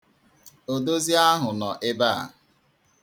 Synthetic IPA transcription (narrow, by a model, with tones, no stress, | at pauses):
o˨do˦zi˦a˦ɦʊ˨nɔ˨ʔɪ˦ba̰˦˨